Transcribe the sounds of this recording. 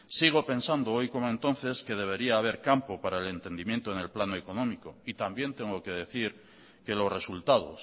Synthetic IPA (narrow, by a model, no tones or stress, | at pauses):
siɣ̞o̞pe̞nsand̪oojko̞moe̞nt̪o̞nθe̞ske̞ð̞e̞β̞e̞ɾiaːβ̞e̞ɾkampo̞paɾaele̞nt̪e̞nd̪imje̞nt̪o̞ene̞lplanoeko̞nõmiko̞it̪ambje̞nt̪e̞ŋɡoke̞ð̞e̞θiɾ | ke̞lo̞sre̞sult̪að̞o̞̰s